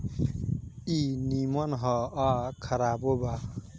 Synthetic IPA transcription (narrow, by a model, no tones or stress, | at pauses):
inimʌnɦʌakʰʌɾaboba